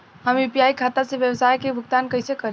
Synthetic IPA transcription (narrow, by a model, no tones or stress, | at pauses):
həmjupijaikʰat̪aseʋjəwsajkebʱʊɡt̪ankəɪsekəɾ